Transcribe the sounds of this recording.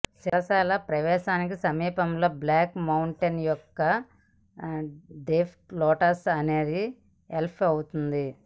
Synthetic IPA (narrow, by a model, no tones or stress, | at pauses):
silɐsɛːlɐpɾɐʋɛːʃaːnik̬isɐmiːpɐmloːblaːkmɐwɳʈenjɔkːɐ | ɖeːpʰʈlɔːʈɐsɐneːd̪i | elpʰɐwut̪und̪i